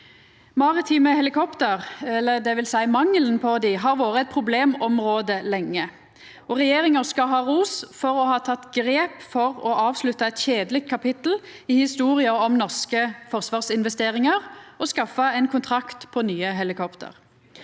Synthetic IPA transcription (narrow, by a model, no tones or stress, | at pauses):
mɑʁɪt̪ʰiːməhɛlɪkʰɔpt̪əʁɛlːəd̪ɛʋɪlsæɪmɑŋlən̩pʰɔd̪ɪɦɑʁʋoːʁəɛt̪̚pʰʁʊbleːmɔmʁoːd̪əlɛŋːə | ɔʁɛjeːʁɪŋəʁskɑɦɑːʁuːsfɔʁɔhɑːt̪ʰɑt̪ːɡʁeːpfɔʁɔʔɑːʋslʉt̪ːɑɛt̪ɕeːd̪əlɪk̚t̪̚kʰɑpɪt̪l̩ | ɪhɪst̪uːʁɪəɔmnɔʁskəfɔʁsʋɑːʁsɪnʋɛst̪eːʁɪŋəʁɔskɑfəɛɪnkʰʊnt̪ʰʁɑkt̪pʰɔnyːəɦɛlɪkʰɔpt̪ʰə̰ʁ